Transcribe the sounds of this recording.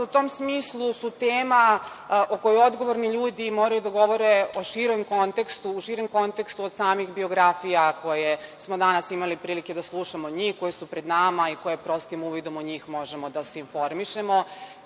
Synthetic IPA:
ut̪omsmiːslˠusut̪eːma | ʔoko̞juo̞d̪ɡo̞ʋoɾniʎuːd̪imoːɾajud̪aɡo̞ʋo̞ɾeoʃiːɾomko̞nt̪e̞kst̪uːʃiːɾomko̞nt̪ekst̪uod̪̥saːmixbio̞ɡɾafijako̞jesmo̞d̪anasimalipɾiːlike̞d̪aslˠuʃamoɲiːxko̞jesupɾe̞d̪naːmaiko̞jepɾo̞st̪imuːʋid̪o̞moɲiːxmo̞ʒemo̞d̪aseinfo̞ɾmiʃemo

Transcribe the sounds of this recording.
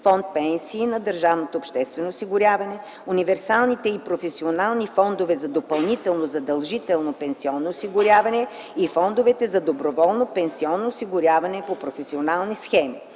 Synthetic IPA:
fɔnt̪̚pɛnsiːnɐd̪əɾʒavnot̪oːpʃt̪ɛst̪vɛnoːsiɡʊɾʲjavɐnɛ | univɛɾsalˠnit̪ɛipɾofɛsionalˠnifɔnd̪ovɛzɐd̪opɐlˠnit̪ɛlˠnozɐd̪ɐlˠʒit̪ɛlˠnopɛnsiɔnːoːsiɡʊɾʲjavɐnɛ | ifɔnd̪ovɛt̪ɛzɐd̪obɾovɔlˠnopɛnsiɔnːoːsiɡʊɾʲjavɐnɛpopɾofɛsionalˠnisxɛmi

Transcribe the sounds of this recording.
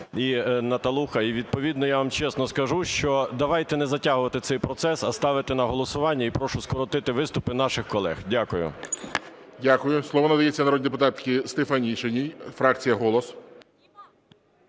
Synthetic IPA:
inɐt̪ɐlˠuxɐiʋʲid̪̚pɔʋʲid̪nɔjaʋɑmt͡ʃɛsnɔskɐʒuʃt͡ʃɔd̪ɐʋɑjt̪ɛnɛzɐtʲaɦʊʋɐt̪ɪt̪sɛjpɾɔt̪sɛsɐst̪ɑʋɪt̪ɪnɐɦɔlˠɔsʊʋɑnʲːɐipɾɔʃʊskɔɾɔt̪ɪt̪ɪʋɪst̪ʊpɪnɑʃɪxkɔlˠɛ̰xdʲakʊjʊ̰ | dʲakʊjʊslˠɔʋɔnɐd̪ɐjet͡sʲːɐnɐɾɔd̪ʲd̪epʊt̪ɑt̪kɪst̪efɐnʲiʃenʲijfɾɑkt͡sʲijɐɦɔlˠɔs

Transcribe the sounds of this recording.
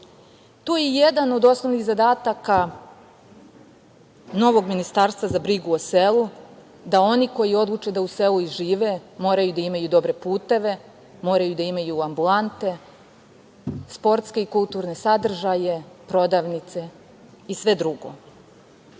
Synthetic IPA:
t̪oːjejed̪ano̞d̪o̞sno̞ʋniɣzad̪aːt̪aka | no̞ʋo̞ɡminist̪aːɾst̪ʋazabɾiɡuose̞lˠu | d̪ao̞niko̞jio̞d̪lˠut͡ʃe̞d̪auseluiʒiːʋe̞mo̞ːɾajud̪aimajud̪o̞bɾe̞puːt̪e̞ʋe̞ | mo̞ːɾajud̪aimajuambulant̪e̞ | spo̞ɾt̪ske̞ikulˠt̪uːɾne̞sad̪r̩ʒaje̞pɾo̞d̪aʋnit̪se̞ | isʋe̞d̪ɾuɡo̞̰

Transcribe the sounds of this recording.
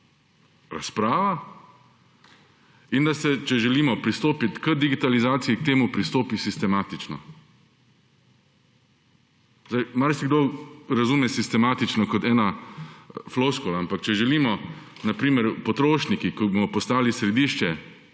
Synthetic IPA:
ɾaspɾaːʋa | ind̪asɛt͡ʃɛʒɛliːmɔpɾist̪oːpit̪kəd̪iɡit̪alizaːt̪siik̚t̪eːmupɾist̪oːpisist̪ɛmaːt̪it͡ʃnɔ̰ | zajmaɾsiɡd̪oɾazumɛsist̪ɛmaːt̪it͡ʃnɔkɔt̪ɛːna | floskolaampakt͡ʃɛʒɛliːmɔnapɾiːmɛɾpɔt̪ɾoːʃnikikɔbomɔpɔst̪aːlisɾɛd̪iːʃt͡ʃɛ

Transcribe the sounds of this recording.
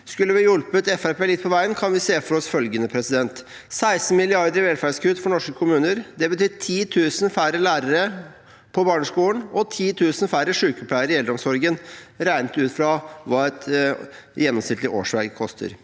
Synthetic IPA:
skʉlːəʋɪjʉlpət̪ɛfæɾpʰeːlɪt̪̚pʰɔʋæɪənkʰɑnʋɪseːfɔɾɔsfœlɡənəpʰɾɛsɪd̪ɛnt̪ | sæɪsn̩mɪlɪɑɾd̪əɾɪʋɛlfæɖskʉːd̪fɔɳɔʂkəkʰʊmʉːnəɾd̪ɛbət̪yːʈʰiːt̪ʰʉːsən̩fæɾəlæːɾəɾə | pʰɔbɑːɳəʂkuːlənɔt̪ʰiːt̪ʰʉːsən̩fæɾəʂʉːkɔpʰlæɪəɾɪɛld̪ɾɔmsɔɾɡənɾæɪnət̪ʉːt̪fɾɑʋɑːɛt̪ | jɛnːɔmsnɪt̪t̪ɪʔo̰ːʂʋæɾɡkʰɔst̪ʰə̰ɾ

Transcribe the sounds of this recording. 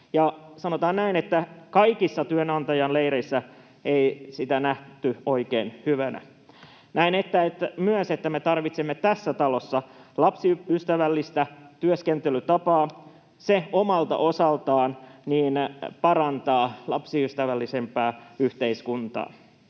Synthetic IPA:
jɑsɑnot̪ɑːnnæinet̪ːækɑikisːɑt̪yønɑnt̪ɑjɑnleiɾeisːæ | eisit̪ænæht̪yoikeːnhyʋænæ̰ | næinet̪ːæet̪ːæmyøset̪ːæmet̪ɑrʋit̪semːet̪æsːæt̪ɑlosːɑlɑpsiyst̪æʋælːist̪æt̪yøskent̪elyt̪ɑpɑː | seomɑlt̪ɑ̰ʔo̞sɑlt̪ɑːnniːnpɑɾɑnt̪ɑːlɑpsiyst̪æʋælːise̞mpæːyht̪eiskunt̪ɑ̰ː

